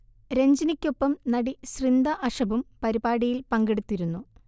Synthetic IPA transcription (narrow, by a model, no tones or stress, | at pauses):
ɾe̞ɲd͡ʑinikʲːo̞pːɐmnɐɽiɕrind̪ɐʔɐʂɐbumpɐɾibaːɽijilpɐŋɡe̞ɽut̪ːiɾunːu